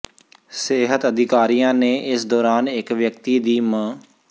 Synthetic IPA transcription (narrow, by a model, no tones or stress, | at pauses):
sɪːɦət̪əd̪ɪkaːɾijãːneːʔɪsd̪ɔːɾaːnɪkʋjəkt̪iːd̪iːmə